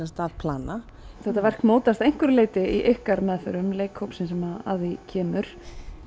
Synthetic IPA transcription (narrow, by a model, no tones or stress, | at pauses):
st̪avpʰlaːna | θɛht̪avɛr̥kmoːwt̪ast̪ejŋ̥kʏɾleːjt̪ɪiʔɪhkaɾmɛðθœɾʏmleːjkhowpsɪnsɛmaa̰ððicʰɛːmʏɾ̥